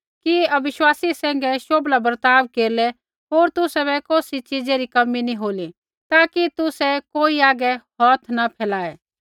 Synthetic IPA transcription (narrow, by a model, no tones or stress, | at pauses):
kiɐbɪʃwaːsisɛ̃ːŋɡɛʃoːblabəɾt̪aːbkeːɾlɛ | ɦoːɾt̪ʊsɛbɛkoːsit͡ʃid͡ʒeɾikɐminĩɦoːli | t̪aːkit̪ʊsɛkoːiaːɡɛhɔːt̪ʰnɐpʰɛːlaːɛː